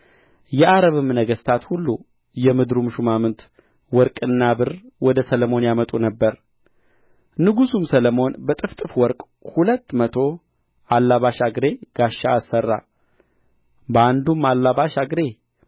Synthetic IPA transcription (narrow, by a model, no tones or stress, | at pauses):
jɛʔaɾəβɨmnəɡəst̪ʰat̪hulːu | jɛmɨd̪ɾumʃumamɨnt̪ | wɔɾkʼɨnːabɨrwɔd̪əsələmo̞njamət̪ʼunəbːəɾ | nɨɡusumsələmo̞nbət̪ʼɨft̪ʼɨfwɔɾkʼ | hulət̪ːmət̪ʰo̞ | ʔalːaβaʃaɡɾe̞ɡ̥aʃːaːsːərːa̰ | bəand̪umalːaβaʃaɡɾe̞